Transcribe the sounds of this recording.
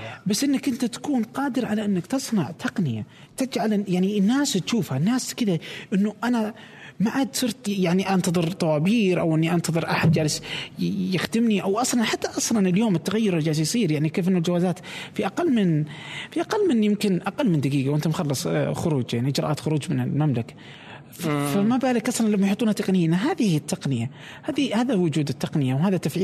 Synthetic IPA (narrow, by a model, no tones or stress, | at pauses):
basːʔɪnːakʔɪnt̪at̪ḁkuːnqɑːd̪ɪɾʕalaʔɪnːakt̪ɨsˤnɑʕt̪ʰɑqnɪja̰ | t̪ɪd͡ʒʕaljaʕninːaːst̪ʃuːfhanːaːskɪd̪aʔɪnːuʔana | maʕad̪sˤɨɾt̪jaʕniʔɑnt̪ɑðˤɨɾt̪ˤɑwɑːbiːɾʔa̰wʔɪnːiʔɑnt̪ɑðˤɨɾʔaħad̪̚d͡ʒaːlɪs | jɪxd̪ɪmniʔawʔɑsˤlɑnħat̪ːaʔɑsˤlɑnɪljoːmɪt̪ːaɣajːʊɾˤd͡ʒaːsjsˤiːɾjaʕnikeːfʔɪnːʊld͡ʒawaːzaːt̪fiʔaqalːmɪnfiʔaqalːmɪnːjɪmkɪnʔaqalːmɪnd̪aɡiːɡawʔɪnt̪amxɑlːɨsˤxʊɾuːd͡ʒjaʕniʔɪd͡ʒɾɑ̰ʔaːt̪xʊɾuːd͡ʒmɪnɪlmamlakḁ | ffamabaːlɪkʔɑsˤlɑnlamːajħʊt̪ˤːuːnhat̪ɑqnɪjːnaɦaːðihit̪ːɑqnɪja | haːðihaːðawʊd͡ʒuːd̪ɪt̪ːɑqnɪjawɦaːðat̪ːafʕiː